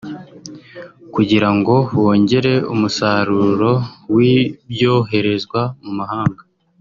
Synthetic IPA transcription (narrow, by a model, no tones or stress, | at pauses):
kuɟiɾaŋɡo̞wo̞ːɲɟe̞ɾe̞umusaɾuɾo̞wibjo̞ːɦe̞ɾe̞zɡwamumahaːŋɡa